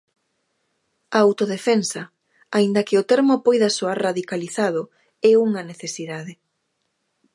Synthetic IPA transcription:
aawt̪oðefensɐ | aind̪ɐkɪot̪ɛɾmopojðasoaɾraðikaliθað̞ʊ | ɛuŋɐneθesiðaðɪ

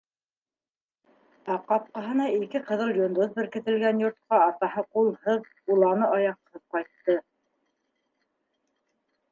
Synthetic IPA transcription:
ɑqɑp̚qɑɦɤ̆nɑikɘqɤ̆ðɤlˠjŏnd̪oθbɘ̆ɾkɘ̆t̪ɘ̆lɡænjŏɾt̪̚qɑːt̪ɑɦɤqulˠhɤð | ulˠɑnɤʔɑjɑqhɤp̚qɑjt̪ːɤ

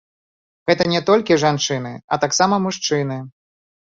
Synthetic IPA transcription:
ɣɛt̪ɐnʲɛt̪ɔlʲkʲiʐant͡ʂɨn̪ɨɐ̰t̪aksamɐmuʂt͡ʂɨnɨ

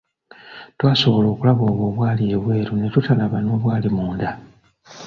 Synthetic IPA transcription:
twaːso̞βo̞lo̞ːkulaβo̞ːβoːβwaːlieβwe̞ːɾune̞tutalaβano̞ːβwaːlimuːnda

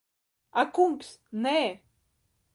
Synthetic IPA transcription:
akumpsne

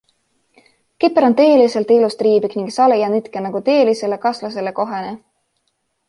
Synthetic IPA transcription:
kipːeɾo̞nt̪eːlise̞lt̪ilust̪riːbikniŋɡsɑlejɑnit̪kenɑɡ̥ut̪eːlise̞le̞kɑslɑse̞le̞ko̞ɦene

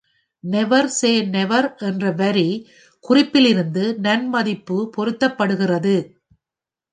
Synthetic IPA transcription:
nɛʋɐɾseːnɛʋɐɾʔɛndrɐʋɐɾi | kʊrɪpːɪlɪɾɯnd̪ɯnɐnmɐðɪpːɯpɔɾɯt̪ːɐpːɐɽɯɣɪrɐðɯ

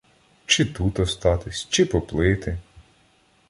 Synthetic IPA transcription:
t͡ʃɪt̪ut̪ɔst̪ɑt̪ɪsʲt͡ʃɪpɔplˠɪt̪ɪ

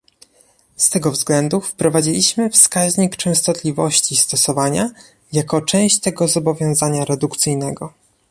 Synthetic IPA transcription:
st̪ɛɡɔvzɡlɛnd̪ufpɾɔvad͡ʑilʲiɕmɘfskaʑɲikt͡ʂɛ̃w̃st̪ɔt̪lʲivɔɕt͡ɕist̪ɔsɔvaɲa | jakɔt͡ʂɛ̃w̃ɕt͡ɕt̪ɛɡɔzɔbɔvʲjɔ̃w̃zaɲaɾɛd̪ukt̪sɘjnɛɡɔ

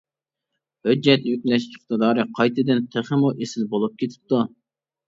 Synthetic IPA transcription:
hød͡ʒːɛt̪ykʲlɛʃkʲʰɪχt̪ɨd̪ɑːɾɨqʰɑjt̪ʰɨd̪ɪnt̪ʰeχɪmuʔesɪlbolˠup̚kʲʰet̪ʰɪ̥p̚t̪u

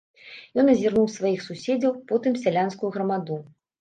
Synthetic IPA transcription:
jɔnɐzʲirnuwsvajixsusʲed͡zʲɐwpɔt̪ɨmsʲalʲanskujuɣɾɐmad̪u

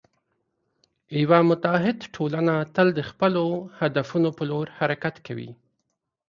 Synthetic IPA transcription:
wamʊt̪aɦɪd̪ʈʰolanat̪əld̪əxpəlohad̪afunopəloɾhaɾakat̪kʰawḭ

